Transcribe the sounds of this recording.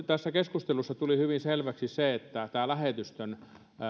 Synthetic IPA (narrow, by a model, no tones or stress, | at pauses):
t̪æsːækeskust̪elusːɑt̪ulihyʋinselʋæksisseet̪ːæt̪æːlæhet̪yst̪øn